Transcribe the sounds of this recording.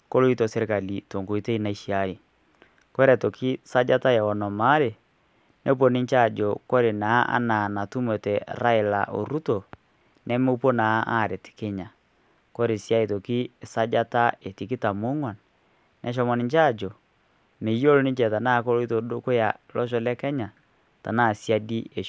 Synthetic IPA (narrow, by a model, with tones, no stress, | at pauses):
ko˦lo˦i˦tɔ˨se˦ɾe˦ka˨li˨to˨ŋɡo˨i˦te˦i˦na˨i˨ʃi˦a˦ɾi˨ | kwɛ˦ɾɛ˨to˨ki˦sa˦d͡ʒa˦ta˦ja˨ɔ˨nɔ˨ma˦ɾe˨ | nʔe˦p̬o˦ni˦ɲt͡ʃa˦˨d͡ʒɔ˨ko˦ɾe˨na˨˦ʔa̰˦na˨na˨tu˦mɛ˨tɛ˨ɾa˦e˨la̰˨ʔo̰˨ɾu˦to˨ | nɛ˦mo˦po˦na˨˦ʔa˦˨ɾe˨ti̥˨ke˦ɲa˨ | kɔ˦ɾe˨sja˦e˨to˨ki˦˨sa˦d͡ʒa˦ta˦e˨ti˨ki˦ta˨mo˦ŋwa˨n | nʔɛ˨˦ʃ̬ɔ˦mɔ˨ni˨ɲt͡ʃa˦˨d͡ʒɔ˨ | me˨jo˦lo˦ni˦ɲt͡ʃɛ˨ta˨na˦˨˦ko˦lo˦i˦to˨do˦ko˦ja˨lɔ˦ʃ̬ɔ˦lɛ˦kɛ˦ɲa˨ | ta̰˨na˦˨sja˦di˦e˨